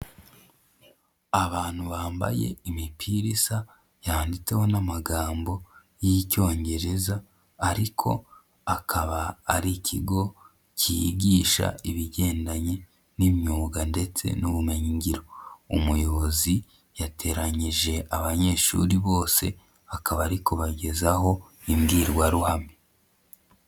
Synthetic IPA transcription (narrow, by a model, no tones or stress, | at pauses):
aβaːn̥huβaːmba̰je̞̰imipʰiɾisa | jaːndit͡se̞ho̞namaɡaːmbo̞ | jico̞ːɲɟe̞ɾe̞zaː | ɾikʰo̞̰ | akʰaβaːɾicʰiɡo̞ | cijḭɟiːʃa̰iβiɟe̞ːndaɲe̞ | nimɲuːɡande̞t͡se̞̰nuβumeɲiɲɟiɾo̞umujo̞βozi | jatʰe̞ɾaɲiʒe̞ʔaβaɲe̞ːʃṵɾiβo̞ːse̞ | akaβaɾikoβaɟe̞zaho̞ | imɡiːɾɡwaɾuhame